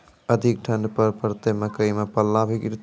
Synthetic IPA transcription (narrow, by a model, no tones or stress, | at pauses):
əd̪ʱik̚ʈʰənɖpəɾpəɾt̪eməkəjmepəlːabʱikiɾt̪